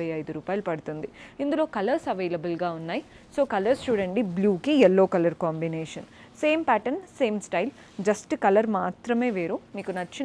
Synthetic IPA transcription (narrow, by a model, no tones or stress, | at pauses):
ɐjɐjd̪uɾuːpaːjɐlupɐɽut̪und̪iind̪ulo̞ːkɐlɐɾsɐʋɐjlɐbɐlɡaːunːaːji | so̞ːkɐlɐɾsʈuːɖeɳʈibljuːkiɛlːo̞ːkɐlɐɾkaːmbineːʂɐn | se̞ːmpæːʈɐnse̞ːmsʈɐjl | d͡ʒɐsʈkɐlɐɾmaːt̪ɾɐme̞ːʋeːɾumiːkunɐt͡ʃːi